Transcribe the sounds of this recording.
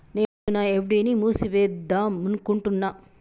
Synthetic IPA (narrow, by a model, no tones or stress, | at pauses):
neːunɐeʋɖinimuːsiʋeːd̪aːmunkuɳʈunːa